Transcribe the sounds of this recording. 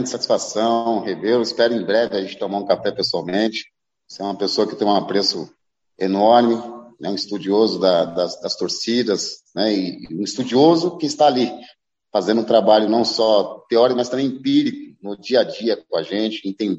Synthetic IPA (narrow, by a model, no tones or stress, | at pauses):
ɐ̃nd͡ʒɪsat͡ʃi̥sfasɐ̃ww̃hevewɪspɛɾʊẽj̃bɾɛvɪaʒẽnt͡ʃɪt̪õmaɾũkafɛpesuawmẽt͡ʃɪ̥ | seũmɐpesoɐkɪt̪ẽj̃ũapɾesʊ | enɔɾmɪnɛũɪst̪ud͡ʒiozʊd̪ɐd̪ɐsd̪ɐst̪oɾsid̪ɐsnɛɪːũist̪ud͡ʒiozʊkɪɪst̪aːli | fazẽnd̪ʊ̃ũt̪ɾabaʎʊnɐ̃w̃sɔt̪eɔɾikʊmɐst̪ɐ̃mbẽpiɾikʊnʊd͡ʒiɐd͡ʒiɐkõaʒẽt͡ʃɪẽt̪ẽd̪